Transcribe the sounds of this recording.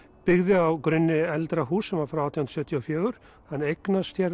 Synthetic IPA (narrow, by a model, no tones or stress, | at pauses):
pɪɣðɪawkɾʏnːɪɛlt̪ɾaɦuːsɛmvaɾfɾawawt̪ʰihʊnɾsœːht̪jɔfjœːɣʏɾ̥ | hanːejknast̪jɛɾ